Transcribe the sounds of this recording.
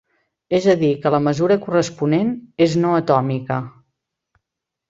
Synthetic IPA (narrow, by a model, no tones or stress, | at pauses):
ezəðikələməzuɾəkurəspuneneznoət̪ɔmikə